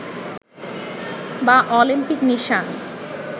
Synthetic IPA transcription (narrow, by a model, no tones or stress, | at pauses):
baʔɔlimpikniʃan